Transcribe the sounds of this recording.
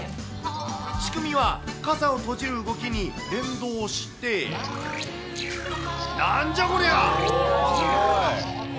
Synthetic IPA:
ɕi̥kɯ̟mʲiβakazao̞t̪o̞d͡ʑiɾɯ̟ɯɡo̞kʲiɲ̟i | ɾẽ̞nd̪o̞ːɕi̥t̪e̞ | naɲd͡ʑamoɾeja

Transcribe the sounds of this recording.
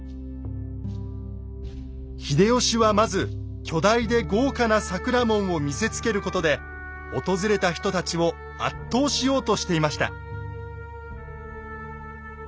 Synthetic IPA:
çid̪e̞o̞ɕiβamazɨ | kʲʰo̞d̪aid̪e̞ɡo̞ːkanasakɯ̟ɾamõ̞ɰ̃o̞mʲise̞t͡sɨ̥ke̞ɾɯ̟ko̞t̪o̞d̪e̞ | o̞t̪o̞zɨɾe̞t̪açʲi̥t̪o̞t̪at͡ɕiβo̞ | a̰t̪ːo̞ːɕijo̞ːt̪o̞ɕi̥t̪e̞imaɕi̥t̪a̰

